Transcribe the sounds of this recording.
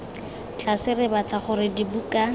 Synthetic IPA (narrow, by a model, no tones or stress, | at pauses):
t͡ɬasɪrɪbat͡ɬaχʊɾɪdibukʼa